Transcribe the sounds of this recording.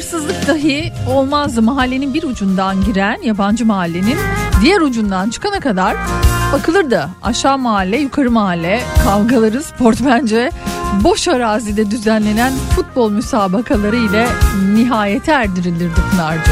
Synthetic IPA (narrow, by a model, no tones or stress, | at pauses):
ɯɾsɯzlˠɯk̚d̪aɦɯo̞lˠmazɯmaɦalʲːe̞ninbiɾud͡ʒund̪anɟiɾænjaband͡ʒɯmaɦalʲːe̞nind̪ijæɾud͡ʒund̪ant͡ʃʰɯ̥kʰanakad̪aɾ̥bakʰɯlˠɯɾd̪a | a̰ʃaːmaɦalʲːɛjukʰaɾɯmaɦalʲːɛkʰalˠɡalˠaɾɯspʰo̞ɾt̪bænd͡ʒɛbo̞ʃaɾaːzid̪ɛd̪yzænlʲe̞nænfut̪̚bo̞lˠmysaːbakʰalˠaɾɯilʲɛniɦaːjet̪ʰɛæɾd̪iɾilʲiɾd̪ikʰɯnaɾd̪a